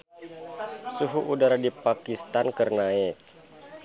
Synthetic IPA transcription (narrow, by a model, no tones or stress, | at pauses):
suɦuʔudaɾadipakist̪ankərnaɛk̚